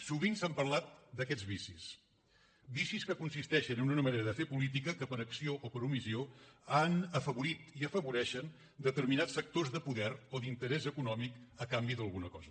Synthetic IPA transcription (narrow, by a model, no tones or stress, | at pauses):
suβinsampərlat̪̚d̪əkɛd͡zβisis | bisiskəkunsist̪ɛʃənununəməneɾəðəfepulit̪̬ikəkəpəɾəksioʔopəɾumizioanəfəβuɾit̪iəfəβuɾɛʃən | d̪ət̪əɾminat͡ssfək̚t̪ozðəpuðɛɾoðint̪əɾɛzəkunɔmikəkambiðəlˠɣunəkɔzə